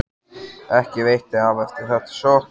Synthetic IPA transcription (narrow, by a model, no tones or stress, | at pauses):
ɛhcɪvejt̪ɪavɛft̪ɪɾ̥θɛht̪ḁso